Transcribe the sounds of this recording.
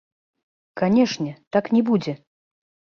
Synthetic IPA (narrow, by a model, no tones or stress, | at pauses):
kanʲɛʂnʲɛt̪aknʲɛbud͡zʲɛ